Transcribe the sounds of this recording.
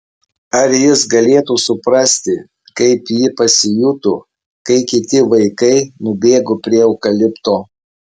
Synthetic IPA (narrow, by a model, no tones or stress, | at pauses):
ɐɾjɪsɡɐlʲeːt̪uːsʊpɾɐsʲt̪ʲɪ | kɐɪpjɪpɐsʲɪjuːt̪u | kɐɪkʲɪt̪ʲɪʋɐɪkɐɪnʊbʲeːɡopʲɾʲiɛɔʊkɐlʲɪpt̪oː